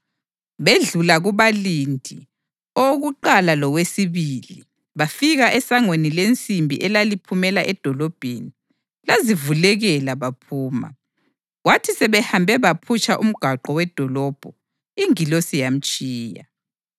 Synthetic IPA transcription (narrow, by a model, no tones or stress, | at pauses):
βeɮulaɣuβalindʱi | oɣuǃalalɔɣwesiβili | βafiɣaʔɛsaŋwenilent͡sʼimbʱḭʔɛlalipʰumɛlaʔɛd̥ʱɔlɔb̥ʱeni | lazivulɛɣɛlaβapʰuːma̰ | ɣwatʰisɛβɛhambʱɛβapʰut͡ʃʼaʔum̩ɡ̥ʱaǃɔwɛd̥ʱɔlɔb̥ʱɔ | iŋilosijam̩t͡ʃʼiːja̰